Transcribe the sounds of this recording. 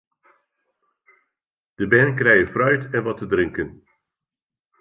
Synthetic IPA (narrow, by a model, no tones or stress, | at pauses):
d̥əbɛːnəkrɛjəfrœɥtɛnʋɑtədrɪŋkən